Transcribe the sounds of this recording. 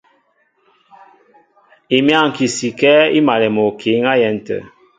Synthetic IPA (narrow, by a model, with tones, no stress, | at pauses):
i˨mja˦˨ŋ̩˨ki˨si˨kɛ˦ḭ˦ma˨lɛ˨mɔ˨kʰe˨˦ŋa˦jɛ˨n˨tə̰˨